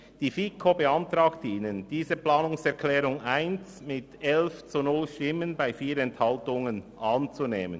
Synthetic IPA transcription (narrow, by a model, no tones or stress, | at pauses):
d̥iːfikʰobəɑntrɑːktʰəiːnənd̥iːzəplɑːnʊŋsɛʁkʰlɛːʁʊŋaɪnt͡s | mɪtɛlft͡sunʊlʃtɪmənbaɪfiːɾɛnthɑltʊŋənʔɑːnt͡suneːmən